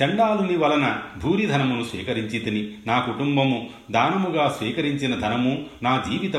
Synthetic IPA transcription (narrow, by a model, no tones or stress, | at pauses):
t͡ʃɐɳɖaːluniʋɐlɐnɐbʱuːɾid̪ʱɐnɐmunusʋḭːkɐɾiɲt͡ʃit̪ininaːkuʈumbɐmu | d̪aːnɐmuɡaːsʋiːkɐɾiɲt͡ʃinɐd̪ʱɐnɐmunaːd͡ʒiːʋit̪ɐ